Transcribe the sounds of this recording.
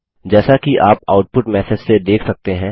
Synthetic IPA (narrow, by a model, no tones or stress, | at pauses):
d͡ʒɛːsakiʔaːpa̰ːʊʈ̚pʊʈmɛːsɪd͡ʒsed̪eːkʰsɐk̚t̪eɦɛ̃ː